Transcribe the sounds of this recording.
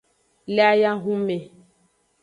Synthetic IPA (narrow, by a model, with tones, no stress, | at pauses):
lɛ˦a˦ja˦ɦu˦me˨